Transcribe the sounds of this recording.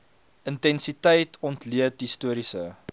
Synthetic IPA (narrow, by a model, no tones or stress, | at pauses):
əntɛnsitəjtʰɔntliətɦistuəɾisə